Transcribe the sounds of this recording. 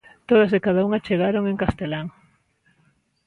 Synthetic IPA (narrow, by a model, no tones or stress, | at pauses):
t̪oð̞asɪkað̞auŋat͡ʃeɣaɾoŋeŋkast̪elaŋ